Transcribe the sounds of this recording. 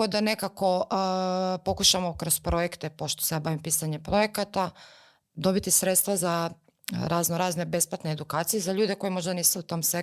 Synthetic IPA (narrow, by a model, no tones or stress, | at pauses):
od̪ane̞kako̞ | pokuʃamo̞kɾospɾojekt̪epo̞ʃt̪o̥seabaːʋimpiːsaɲepɾo̞jekat̪a | d̪o̞bit̪isɾet̪st̪ʋaza | ɾaznoɾaːznebe̞splˠat̪neːd̪ukaːt̪sijezaʎuːd̪eko̞jemo̞ʒd̪aniːsuut̪o̞ːmse